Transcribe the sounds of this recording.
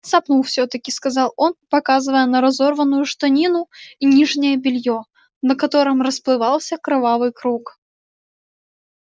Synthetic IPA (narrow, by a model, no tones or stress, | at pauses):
sɐpnulˠfsʲɵt̪əkʲɪskɐzɑlˠo̞npɐkazɨvəjənəɾɐzo̞rvənːʊjʊʂt̪ɐnʲinʊinʲiʐnʲɪjəbʲɪlʲjo | nəkɐt̪o̞ɾɨmrəsplˠɨvɑlˠsʲəkɾɨvavɨjkɾuk